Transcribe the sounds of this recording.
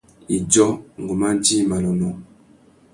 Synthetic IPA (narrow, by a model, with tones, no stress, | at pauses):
i˨d͡ʒɔ˦ŋɡo˨ma˦d͡ʒi˦˨ma˨lɔ˨nɔ˨